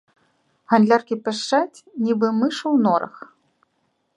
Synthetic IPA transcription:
ɣanʲlʲarkʲipʲɛʂt͡ʂat͡sʲnʲibɨmɨʂɐwnɔɾɐ̰x

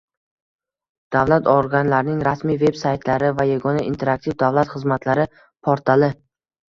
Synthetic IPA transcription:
d̪̥avlat̪ʰoɾɡʲanlaɾnɪŋɾasmijve̞bsajt̪ʰlaɾɪvajaɡɒnaʔint̪ʰe̞ɾak̚t̪ʰivd̪avlat̪χɨzmat̪ʰlaɾɪ | pʰoɾt̪ʰalɪ

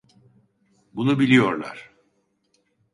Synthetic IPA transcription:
bunubilʲijo̞ɾlˠa̰ɾ̥

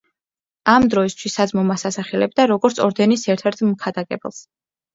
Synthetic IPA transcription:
amd̪ɾɔist̪ʰwisad̪zmɔmasasaχɛlɛb̚d̪aɾɔɡɔɾt̪sʰɔɾd̪ɛnisɛɾt̪ʰɛɾt̪ʰmkʰad̪akʼɛbɛ̰lˠs

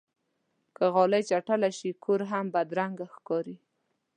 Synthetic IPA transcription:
kaɣɑlajt͡ʃaʈalaʃikʰoɾɦambad̪ɾaŋɡaxkɑɾi

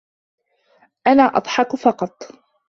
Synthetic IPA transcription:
ʔanaːʔɑ̰d̪ˤħɑkfɑqɑt̪ˤ

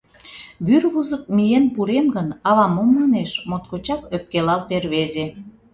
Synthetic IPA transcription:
βyrβuzək̚mijenpuɾemɡənɑβɑmomːɑneʃmot̪̚kot͡ɕɑkøp̚kelɑlperβeze

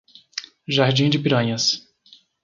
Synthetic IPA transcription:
ʒaɾd͡ʒĩd͡ʒɪpiɾɐ̃ɲɐs

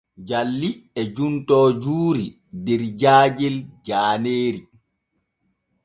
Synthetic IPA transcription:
d͡ʒalːiɛd͡ʒuntɔːd͡ʒuːɾi | dɛɾd͡ʒaːd͡ʒɛld͡ʒaːneːɾi

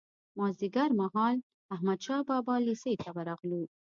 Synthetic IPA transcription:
mɑziɡaɾmaɦɑl | ahmad̪ʃɑbɑbɑliset̪ʰawaɾɑɣlu

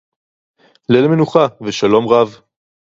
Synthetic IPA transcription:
lelmenuχaveʃalo̞mʁav

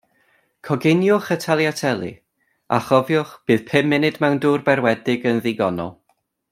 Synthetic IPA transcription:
kʰɔɡɪnjʊχətʰalˠjatʰɛlˠɨ̰ | a̰χɔvjʊχb̥ɨːð̥pʰɨmːɪnɨdmɛwnduːrbɛrwɛdɪɡənðiɡɔnɔ̰lˠ

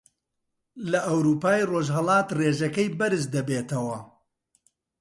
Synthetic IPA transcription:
lɐʔɐwɾuːpaːjroʒɦɐlˠɑːt̪reːʒɐkɐjbɐɾɨsd̪ɐbeːt̪ɐwɐ

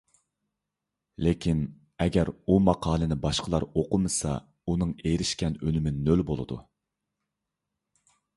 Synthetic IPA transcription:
lekʲʰin | ɛɡʲɛɾumɑqʰɑːlˠɨnɪbɑʃqʰəlˠɑɾoqʊmɨsɑ̰ | unɨŋejɾɪʃkʲɛnønɪmɪnølbolˠɨd̪ṵ

